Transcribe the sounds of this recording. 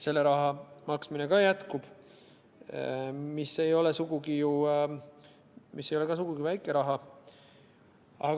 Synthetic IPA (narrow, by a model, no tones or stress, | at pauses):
se̞lːe̞ɾɑɦɑmɑksmine̞kɑjæt̪kub̥ | misːe̞jo̞le̞suɡuɡiju | mʔisːe̞jolekɑs̬uɡ̥uɡ̥ivæjkːˑe̞ɾɑɦɑ | ɑ